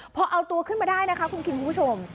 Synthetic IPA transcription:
pʰɔ˧˥ʔa˧wt̪u˧ɐkʰɯ˥˩nmaː˧daː˥˩jna˦˥kʰa˦˥kʰu˧nkʰi˧nkʰu˧mpʰu˥˩t͡ɕʰo˧m

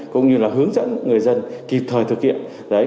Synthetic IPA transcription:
kʊ̰˧˨ŋ͡mɲɨ˧laː˨˩ɦɨ˨˦əŋzə̰˧˥nŋɨ˨˩əjzə˧nki˨˩p̚t̪ʰəː˨˩t̪ʰɨ˨˩k̚hḭ˧˨əm | zəː˨˦

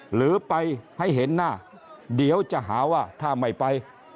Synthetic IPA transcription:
lɯː˨˦pa˧jha˥˩jɦe˨˦nːaː˥˩ | di˩˦əwt͡ɕa˧˩ʔɦaː˩˦waː˥˩t̪ʰaː˥˩ma˧˩jpa˧j

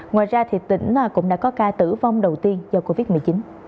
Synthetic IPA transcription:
ŋwaː˨˩jzaː˧t̪ʰi˨˩ət̚t̪ḭ̈˧˩ŋ̟ː˨˩kʊ̰˧˥ŋ͡mɗa̰ː˧˥kɔ˨˦kaː˧t̪ɨ̰˧˩va˧wŋ͡mɗə˨˩wt̪i˧ənzɔː˧ko˧vi˦˥t̚mɨ˨˩əjt͡ɕi˨˦n

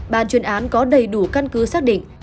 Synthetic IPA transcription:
ɓaː˧˩nt͡ɕwi˨˦ənʔaː˨˦nkɔ˨˦ɗə˨˩jɗu˧˩ka˧nkɨ˨˦saː˦˥k̚ɗḭ̈˧˨ŋ̟

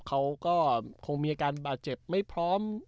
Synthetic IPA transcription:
kʰa˦˥wkɔː˥˩kʰo˧ŋmiː˧ʔaː˧kaː˧nbaː˨˩t̪̚t͡ɕe˨˩p̚ma˥˩jpʰɾɔː˦˥m

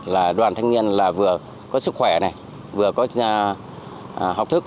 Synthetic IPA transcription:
laː˨˩ɗwaː˨˩nt̪ʰaː˧ŋɲi˧ənlaː˨˩vɨ˨˩ə | kɔ˨˦sɨ˦˥kxwɛ˧˩na˨˩j | vɨ˨˩əkɔ˨˦˧ | ɦa˨˩wk͡p̚t̪ʰɨ˦˥k̚

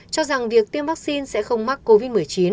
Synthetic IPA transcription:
t͡ɕɔ˧za˨˩ŋvi˨˩ək̚t̪i˧əmvaː˦˥k̚si˧nsɛ̰˧˥xə˧wŋ͡mma˦˥k̚ko˧vi˦˥t̚mɨ˨˩əjt͡ɕi˨˦n

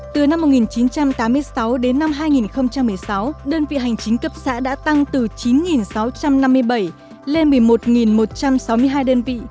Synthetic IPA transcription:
t̪ɨ˨˩na˧mː˨˩t̚ŋi˨˩nt͡ɕi˨˦nt͡ɕa˧mt̪aː˨˦mːɨ˧əjsa˨˦wɗe˨˦nːa˧mɦaː˧jŋi˨˩nxə˧wŋ͡mt͡ɕa˧mːɨ˨˩əjsa˨˦wɗəː˧nvḭ˧˨ɦa˨˩jŋ̟t͡ɕï˨˦ŋ̟kə˦˩p̚sa̰ː˧˥ɗa̰ː˧˥t̪a˧ŋt̪ɨ˨˩t͡ɕi˨˦nŋi˨˩nsa˨˦wt͡ɕa˧mna˧mːɨ˧əjɓə˧˩j | le˧nmɨ˨˩əjmo˨˩t̚ŋi˨˩nmo˨˩t̚t͡ɕa˧msa˨˦wmɨ˧əjɦaː˧jɗəː˧nvḭ˧˨

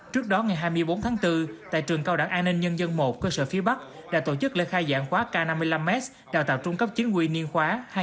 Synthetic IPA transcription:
t͡ɕɨ˦˥ək̚ɗɔ˨˦ŋa˨˩jɦaː˧jmɨ˧əjɓo˨˦nt̪ʰaː˨˦ŋt̪ɨ˧t̪a̰ː˧˨jt͡ɕɨ˨˩əŋka˧wɗa̰ː˧˩ŋʔaː˧nːï˧ŋ̟ɲə˧nzə˧nmo˨˩t̚kəː˧sə̰ː˧˩fi˨˦əɓa˦˥k̚ | ɗa̰ː˧˥t̪o̰˧˩t͡ɕɨ˦˥k̚lḛ˧˥xaː˧jza̰ː˧˨ŋxwaː˨˦kaː˧na˧mːɨ˧əjla˧mːɛ˦˥t̚ | ɗaː˨˩wt̪aː˧˨˩wt͡ɕʊ˧ŋ͡mkə˦˥p̚t͡ɕï˨˦ŋ̟ŋwi˧˨ni˧ənxwaː˨˦h

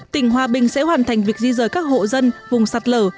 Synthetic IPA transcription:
t̪ï˧˩ŋ̟ɦwaː˨˩ɓï˨˩ŋ̟sɛ̰˧˥ɦwaː˨˩nt̪ʰa˨˩jŋ̟vi˨˩ək̚zi˧zəː˨˩jkaː˦˥k̚ho̰˧˨zə˧nvʊ˨˩ŋ͡msa˨˩t̚ləː˧˩

